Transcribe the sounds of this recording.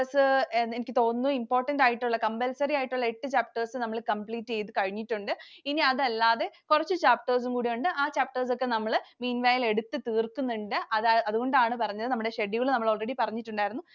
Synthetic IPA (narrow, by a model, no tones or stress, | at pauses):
ɐsɨenikʲːɨt̪o̞ːnːuimpo̞ːrʈːɐndaːjiʈːuɭːɐkɐmbɐlsɐrijaːjiʈːuɭːɐeʈːɨt͡ɕaːp̚ʈɐrsɨnɐmːɐɭkɐmpɭiːʈːɨe̞jt̪ːɨkɐɻiɲːiʈːuɳɖɨiniɐðɐlːaːðe̞kurɐt͡ɕːɨt͡ɕaːp̚ʈɐrs̬uŋkuːɽijuɳɖɨʔaːt͡ɕaːp̚ʈɐrs̬o̞kːe̞nɐmːɐɭmiːnʋaːjle̞ɽut̪ːɨt̪iːrkːunːuɳɖɨʔɐðɐðuɣo̞ɳɖaːɳɨpɐrɐɲːɐðɨnɐmːuɽeɕeɖiɣɐɭnɐmːɐɭo̞ːɭreɽipɐrɐɲːiʈːuɳɖaːjiɾunːu